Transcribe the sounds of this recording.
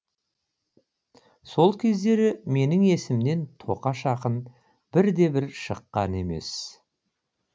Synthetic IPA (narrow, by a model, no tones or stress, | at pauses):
so̞lˠkʲʰe̞zd̪e̞ɾɪme̞nɪŋe̞sɪmne̞nt̪ʰo̞̰qɑʃɑqən | b̥ɪɾd̪e̞bɪɾʃəqːɑ̰ne̞̰me̞̰s